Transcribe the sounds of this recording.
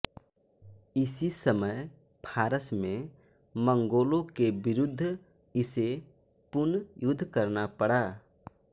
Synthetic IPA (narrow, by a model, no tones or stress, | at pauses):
ɪsisəməj | pʰaːɾəsmẽ | mə̃ŋɡoːlõkebɪɾʊd̪ʱː | ɪse | pʊnjʊd̪ʱːkəɾnapəɽaː